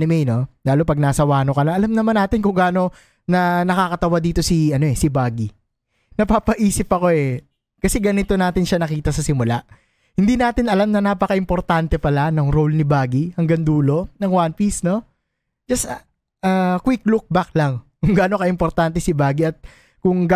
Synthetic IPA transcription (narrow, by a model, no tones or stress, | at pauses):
ɪmɛjno̞laːlopɐɡ̚naːsɐwaːnokɐnɐʔɐlamnɐmanaːt̪ɪnkʊŋɡaːno̞ | nɐnɐkaːkɐt̪ɐwad̪iːt̪o̞siɐno̞ʔɛsɪbaːɡi | nɐpaːpɐʔiːsɪpɐko̞ɛ | kɐsɛɡɐnɪt̪o̞naːt̪ɪnʃanɐkiːt̪ɐsɐsɪmʊlaʔ | hɪnd̪inaːt̪ɪnɐlamnɐnaːpɐkɐʔɪmpo̞ɾt̪ant̪ɛpɐlanɐŋɾo̞lnɪbaːɡihɐŋɡɐŋd̪uːlo̞nɐŋwanpisno̞ | d͡ʒɐs | ʔaːkwɪkluk̚bak̚lɐŋkʊŋɡaːno̞kɐʔɪmpo̞ɾt̪ant̪ɛsɪbaːɡiɐt̪̚ | kʊŋɡ